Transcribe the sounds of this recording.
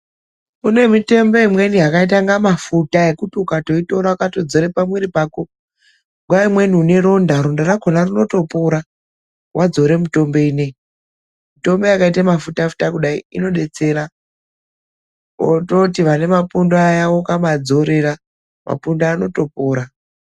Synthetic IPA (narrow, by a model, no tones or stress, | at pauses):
une̞mite̞mbo̞imwe̞niɦakait̬aŋɡamafutae̞kutukato̞ito̞ɾaakato̞d͡zo̞ɾe̞pamweɾipaːko | ɡʱwaimwe̞niːne̞ɾo̞ndaɾondaraɡʱonarino̞to̞poɾa | wʔad͡zo̞ɾe̞mito̞mbe̞ine̞ | mito̞mbe̞akaitamafutafu̥takuɗaiino̞ɗe̞t͡se̞ɾa | o̰to̞tiʋane̞mapundoajawo̞kamad͡zo̞ɾe̞ɾa | mʔa̰pundaːno̞to̞poːɾa